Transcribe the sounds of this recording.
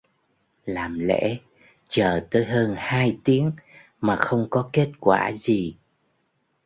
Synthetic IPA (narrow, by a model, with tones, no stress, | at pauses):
laː˨˩mlḛ˧˥ | t͡ɕəː˨˩t̪əː˨˦jɦəː˧nhaː˧jt̪i˨˦əŋ | maː˨˩xə˧wŋ͡mkɔ˨˦ke˦˥t̚kwaː˧˩zi˨˩